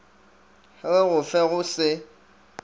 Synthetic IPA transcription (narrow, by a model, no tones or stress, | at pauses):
heɣʊfɛɣʊsɪ